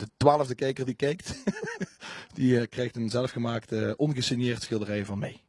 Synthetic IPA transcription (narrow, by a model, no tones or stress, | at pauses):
d̥ətʋaːləvdəkejkərdikejkt | d̥ikrejxtənzɛləfχəmaːktəʔɔnɣəsɪnjɪːrtsxɪlˠdərɛjvɑnmej